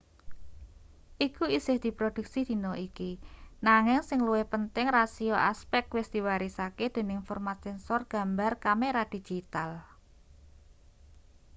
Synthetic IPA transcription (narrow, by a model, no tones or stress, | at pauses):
ʔikuisɪhd̪̥i̤pɾod̪̥ṳksid̪̥i̤nɔikinaŋɪŋsɪŋluwɪhpənt̪ɪŋrasioʔa̰spɛk̚t̪wɪsd̪̥i̤waɾisaked̪̥e̤nɪŋfɔrmat̪sɛnsɔrɡ̥a̤mbarkameɾad̪̥i̤̥d͡ʒ̥it̪al